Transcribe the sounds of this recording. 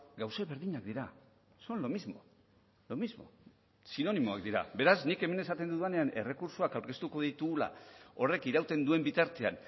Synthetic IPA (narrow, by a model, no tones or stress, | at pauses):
ɡawseβe̞ɾðiɲak̚d̪iɾa | so̞nlo̞mizmo̞̰ | lo̞mizmo̞̰ | sino̞nimo̞a̰k̚d̪iɾa̰be̞ɾaznike̞me̞ne̞sat̪e̞nd̪uðuene̞ane̞̰re̞kuɾsoakawɾke̞st̪uko̞ðit̪uɣula̰o̞re̞kiɾawt̪e̞nd̪ue̞mbit̪aɾt̪e̞a̰n